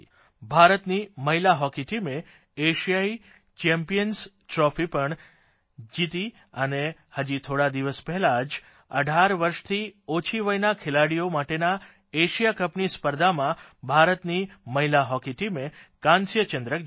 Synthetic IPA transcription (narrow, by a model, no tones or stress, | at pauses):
bʱaɾət̪niməɦilaɦɔkiʈime | eʃijai | t͡ʃɛmpijəns | ʈɾɔfipəɳ | d͡ʒit̪i | ənehəd͡ʒit̪ʰoɽad̪iʋəspɛɦɛlad͡ʒ | ə̰ɖʱaɾʋəɾʃt̪ʰiot͡ʃʰiʋəjnakʰɪlaɽijomaʈena | eʃijakəpnispəɾd̪ʱamãbʱaɾət̪niməɦilaɦɔkiʈimekãnsjət͡ʃənd̪ɾək